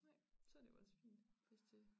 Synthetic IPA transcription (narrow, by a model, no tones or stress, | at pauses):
aɪ̰sɒd̥e̝jo̰ɒsfḭːnd̥fʰesd̥e